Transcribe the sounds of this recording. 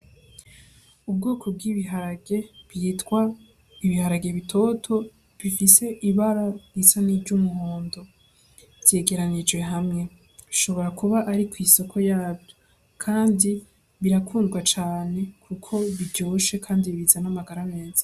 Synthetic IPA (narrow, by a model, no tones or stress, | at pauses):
ub̚ɡoːkʰo̞b̚ɡiːβiɦaɾaɡe̞βjiːtɡwa | iβihaɾaɡe̞βitʰo̞ːtʰo̞ | βifise̞ʔiβaɾajisaniːd͡ʒɟumuhoːndo̞ | v̥je̞ɡe̞ɾanid͡ʒwe̞ɦamŋe̞ | iʃo̞βo̞ɾakuβaʔaɾikwiːso̞kʰo̞jaːbjo | kʰaːndi | βiɾakʰuːndɡwat͡ʃaːne̞kʰukʰo̞βiɟo̞ːʃe̞kʰaːndiβiβizanamaɡaɾame̞ːz̥ḁ